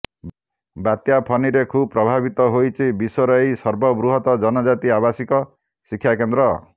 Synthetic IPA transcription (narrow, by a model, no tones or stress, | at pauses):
bat̪japʰɔniɾekʰubpɾɔbʱabit̪ɔɦojt͡ʃʰibisɔɾɔejsɔɾbɔbɾuɦɔt̪ɔd͡ʒɔnɔd͡ʒat̪iabasikɔ | sikʰːjakend̪ɾɔ